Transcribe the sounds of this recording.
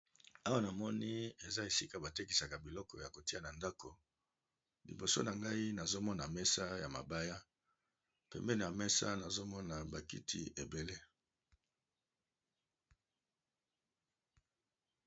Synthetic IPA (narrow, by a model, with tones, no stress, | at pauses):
a˦wa˦na˨mɔ˦ni˦e˨za˦e˨si˦ka˨ba˨te˦ki˨sa˨ka˨bi˨lɔ˦kɔ˨ja˨ko˨ti˦a˨na˨nda˦kʰo˨ | lḭ˨bo˨so̰˦na˨ŋɡa˦i˦na˨zo˦mɔ˦na˨mɛ˦sa˦ja˨ma̰˨ba˦ja˦ | pɛ̰˨mbɛ˦ne˨ja˨mɛ˦sa̰˦na˨zo˦mɔ˦na˨ba˨kḭ˦tʰḭ˦e˨be˨le˦